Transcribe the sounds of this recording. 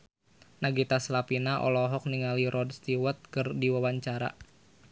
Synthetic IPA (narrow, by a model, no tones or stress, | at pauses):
naɡit̪aslapinaʔɔ̰lɔɦɔk̚niŋaliɾɔdst̪iwat̪̚kɨrdiwawaɲt͡ʃaɾa̰